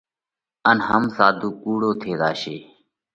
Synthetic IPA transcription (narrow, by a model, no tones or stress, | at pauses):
ənɦəmsaːd̪ʱuːkuːɽoːt̪ʰeːd̪aːʃeː